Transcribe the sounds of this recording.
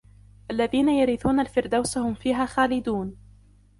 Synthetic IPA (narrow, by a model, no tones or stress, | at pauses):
ʔalːaðiːnajaɾɪθuːnalfɪɾd̪awsahʊmfiːɦaːxaːlɪd̪uːn